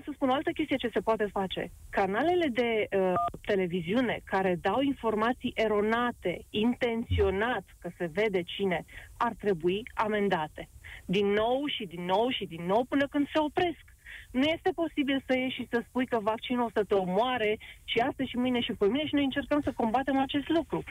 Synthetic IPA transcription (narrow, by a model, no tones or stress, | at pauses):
səspunoalt̪əkʲest̪ijet͡ʃe̞se̞poat̪e̞fat͡ʃe̞̰kanale̞le̞d̪e̞ət̪e̞le̞viziune̞kaɾe̞d̪awinfo̞rmat̪sijʔe̞ɾo̞nat̪e̞int̪e̞nt̪sio̞nat̪kəse̞ve̞d̪e̞t͡ʃine̞art̪ɾe̞buiame̞nd̪at̪e̞d̪inːo̞wʃid̪inːo̞wʃid̪inːo̞wpɨnəkɨnd̪̥se̞o̞pɾe̞sk | nuje̞st̪e̞po̞sibilsəje̞ʃisəspujkəvak̚t͡ʃinulsət̪eo̞moaɾe̞ʃiast̪əʃimɨjne̞ʃipemineʃinojɨnt͡ʃe̞rkəmsəko̞mbat̪e̞mat͡ʃe̞st̪lukɾu